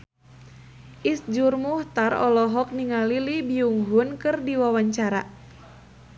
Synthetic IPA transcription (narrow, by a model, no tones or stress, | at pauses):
ʔisd͡ʒurmuht̪arɔ̰lɔɦɔk̚niŋalilibiuŋɦunkɨrdiwawaɲt͡ʃaɾa